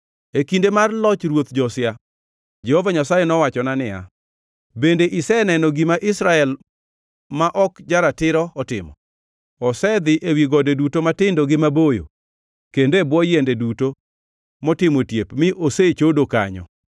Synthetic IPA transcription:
ekindemarlɔt͡ʃɾwot̪d͡ʒɔsɪja | d͡ʒɛhɔvaɲasajenɔwat͡ʃɔnanɪa̰ | bendeʔɪsɛnɛnɔɡimaʔɪsɾaɛl | maʔɔkd͡ʒaɾatɪɾɔɔtɪmɔ̰ | ɔsɛd̪ɪʔewiɡɔdedutomatɪndoɡɪmabojo̰ | kendebwɔjendeduto | mɔtɪmotjepmɪʔoset͡ʃodoka̰ɲɔ̰

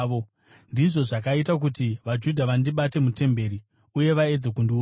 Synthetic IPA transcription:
o | ndiʐo̞ʐakaitak̬utiʋad͡ʒudʱaʋandiɓate̞mute̞mbe̞ːɾi | uje̞ʋae̞d͡zekundiu

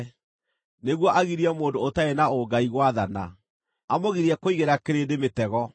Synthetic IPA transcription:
neɣwɔʔaɣiɾiɛmoːndoːtaɛnaoɡaiɣwaðana̰ | amoɣiɾiɛkoiɣeɾakeɾendemetɛɣɔ

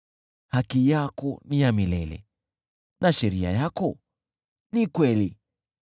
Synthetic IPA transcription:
hakijakɔnijamilɛlɛ̰ | naʃɛɾia̰jakɔ | nikwɛli

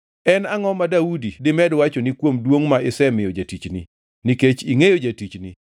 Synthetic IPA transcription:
ɛnaŋɔmadaudidɪmɛdwat͡ʃonikwomdwoŋmaɪsɛmɪjod͡ʒatit͡ʃnḭ | niket͡ʃiŋejod͡ʒatit͡ʃni

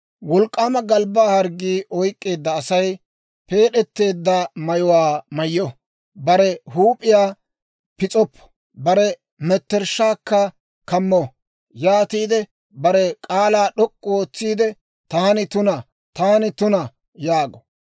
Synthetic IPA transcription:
wɔlkʼːaːmɐɡɐlbaːhɐɾɡiːʔɔjkʼːe̞ːd̪ːɐːsɐj | pe̞ːɗɛt̪ːe̞ːd̪ːɐmɐjɔwaːmɐjɔ | bɐɾɛhuːpʼːɪjaː | pɪt͡sʼɔpːɔ̥ | bɐɾɛ | mɛt̪ːɛɾʃːaːkːɐ | kɐmːɔ | jaːt̪iːd̪ɛ | bɐɾɛkʼaːlaːɗɔkʼːɔo̞ːt͡sːiːd̪ɛ | t̪aːnɪt̪ʊnɐ | t̪aːnɪt̪ʊnɐ | jaːɡɔ̥

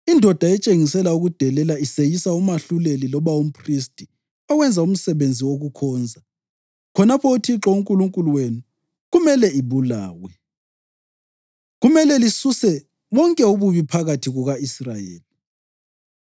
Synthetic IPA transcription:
indʱɔd̥ʱaɛt͡ʃʼeŋisɛlauɣud̥ʱɛlɛlaisejisaumaɬulelilɔβaum̩pʰristʼi | aɣwɛnd͡zʱaum̩sɛβend͡zʱiwoɣukʰɔːnd͡zʱa | kʰɔnapʰɔutʰiǁɔuŋkʼuluŋkʼuluwenu | ɣumɛlɛiβulaːwɛ | ɣumɛlɛlisusɛ | βɔŋkʼɛuβuβipʰaɣatʰiɣuɣaisrajḛːli

